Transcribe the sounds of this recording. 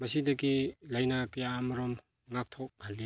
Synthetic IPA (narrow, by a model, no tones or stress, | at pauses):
masidɐkilajnakɐjaːmɐɾɔm | ŋak̚tʰɔk̚ɡʱalli